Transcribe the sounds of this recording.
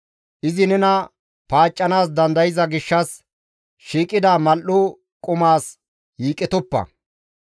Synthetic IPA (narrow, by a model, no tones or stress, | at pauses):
ʔɪzɪnɛnɐ | paːt͡ʃʼːɐnaːsd̪ɐnd̪ɐjɪzɐɡɪʃːɐs | ʃiːkʼɪd̪amɐlʊ | kʼʊmaːs | jiːkʼːɛt̪ɔpːɐ̰